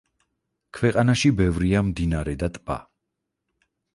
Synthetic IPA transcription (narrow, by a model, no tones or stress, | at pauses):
kʰwɛqʼanaʃibɛvɾiamd̪inaɾɛd̪at̪ʼb̥a̰